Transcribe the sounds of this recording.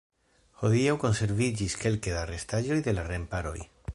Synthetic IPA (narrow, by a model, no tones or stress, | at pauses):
xoðiawkonseɾβiɾʎiskelkeðarest̪aʒojðelarempaɾo̰j